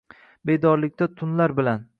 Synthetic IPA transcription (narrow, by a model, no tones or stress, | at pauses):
be̞d̪ɒɾlɪkʲt̪ʰat̪ʰʊnlaɾbɪlan